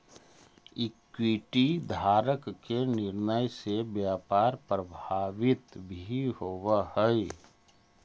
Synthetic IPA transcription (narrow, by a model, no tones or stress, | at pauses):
ɪkwiʈid̪ʱaːɾəkːenɪɾnəjsebjaːpaːɾpɾəbʱaːʋɪt̪bʱihowahəj